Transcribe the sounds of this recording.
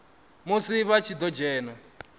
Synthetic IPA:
musiβat͡ʃʰid̪ɔd͡ʒɛːna

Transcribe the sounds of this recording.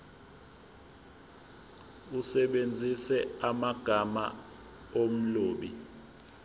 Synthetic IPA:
usɛɓend͡zʱisɛamaɡ̥ʱama̰ | om̩loːɓi

